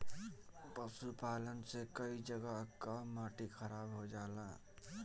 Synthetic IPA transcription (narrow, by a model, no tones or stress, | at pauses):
pəsupaːlənsekəid͡ʒəɡəkamaːʈixʰəɾaːbɦod͡ʒaːlaː